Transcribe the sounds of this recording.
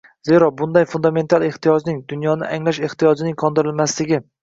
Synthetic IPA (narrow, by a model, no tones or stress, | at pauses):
zeɾɒbʊnd̪ajfʊnd̪ame̞nt̪ʰalˠe̞ht̪ijɒd͡ʒnɪŋd̪ʊnjɒnɪʔaŋlaʃe̞ht̪ijɒd͡ʒɪnɪŋkʰɒnd̪ɪɾɪlmaslɪɡʲɪ